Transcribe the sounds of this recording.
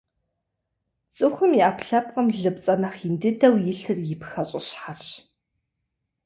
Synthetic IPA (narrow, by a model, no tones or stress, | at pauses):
t͡sʼɨχʷʊmiaːpɬɐp̚qəmɮɨp̚t͡sʼɐnɐχindɨdɐwjɪɬɨrjɪpxɐɕʼɪɕħarɕ